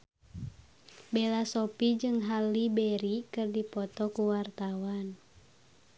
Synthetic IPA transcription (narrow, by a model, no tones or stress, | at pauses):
belasɔpid͡ʒɨŋɦalːibɛɾikɨrdipɔt̪ɔkuwart̪awan